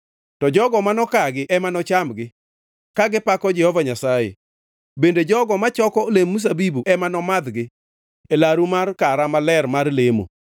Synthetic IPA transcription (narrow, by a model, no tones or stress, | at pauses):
tɔd͡ʒɔɡɔmanɔkaɡɪʔɛmanɔt͡ʃamɡɪ | kaɡɪpakɔd͡ʒɛhɔvaɲasajḛ | bended͡ʒɔɡɔmat͡ʃɔkɔolemːus̬abibuʔɛmanɔmad̪ɡɪ | elaɾumarkaɾamalɛɾmarlemo̰